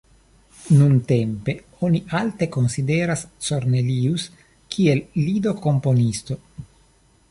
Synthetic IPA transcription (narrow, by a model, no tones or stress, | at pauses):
nunt̪empe̞ | oniʔalt̪e̞ko̞nsid̪eɾast͡ʃoɾnelius | kʰielːid̪o̞ko̞mpo̞nist̪o̞